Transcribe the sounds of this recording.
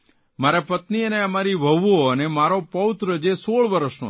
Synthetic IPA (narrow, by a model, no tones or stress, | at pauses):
maɾɛpət̪niəneəmaɾibʱəʋoənemaɾopəʋɪt̪ɾəd͡ʒesoɭʋəɾəʃno̰